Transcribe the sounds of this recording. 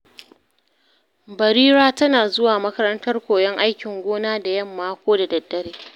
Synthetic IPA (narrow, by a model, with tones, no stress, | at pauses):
bɐ˨ɾiː˦ɾaː˦tɐ˦naː˨zʊ˦waː˨mɐ˦kɐ˦ɾɐ˦ntɐ˦rkʷoː˨jɛ˦ŋʔa˦jkʲɪ˨ŋɡʷoː˦naː˦da˨jɐ˦˨mːaː˦kʷoː˦da˨dɐ˨dːɐ˦ɾeː˦